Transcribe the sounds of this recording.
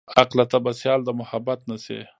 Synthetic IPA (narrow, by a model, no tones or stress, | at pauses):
aqlat̪abasjɑld̪əmʊhabat̪nasḛ